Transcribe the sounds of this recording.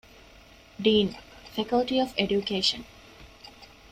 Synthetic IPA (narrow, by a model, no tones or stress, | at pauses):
ɖiːnfekəlʈiɔfeɖjukeːʃə̰̃n